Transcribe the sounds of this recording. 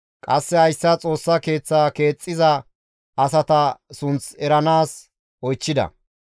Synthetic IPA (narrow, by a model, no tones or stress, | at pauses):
kʼɐsːɛhɐjsːɐt͡sʼo̞ːsːɐke̞ːt͡sːaːke̞ːt͡sʼːɪzɐ | ʔɐsɐt̪ɐsʊnt͡sɛɾɐnaːs | ʔɔjt͡ʃːɪd̪ɐ̰